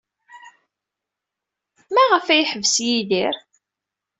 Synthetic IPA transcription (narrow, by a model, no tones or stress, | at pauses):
mæʁəfæjħəvsjiðiɾ